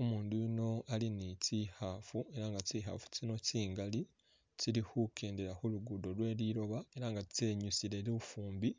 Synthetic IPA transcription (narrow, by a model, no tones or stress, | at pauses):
omuːnduino̞alinicihaːfue̞ɾaŋɡaciːɦa̰ːfu̥cino̞ciːŋɡali | ciɾihukʰeːndeɾahuluɡudo̞ɾwe̞ːɾiːɾo̞βae̞ɾaːŋɡate̞ːɲusiɾe̞ɾiufuːmbi